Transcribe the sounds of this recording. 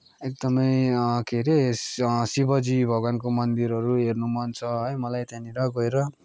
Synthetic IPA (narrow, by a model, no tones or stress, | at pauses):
ek̚d̪ʌmʌjkʰeɾessibʌd͡zibʱʌɡankomʌnd̪iɾʌɾuɦernumʌnt͡sʰʌʌjmʌlajt̪jãniɾʌɡʌeɾʌ